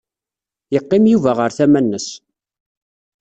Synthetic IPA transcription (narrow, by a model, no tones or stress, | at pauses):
jəqːɪmjuvæʁəɾθæmænːəs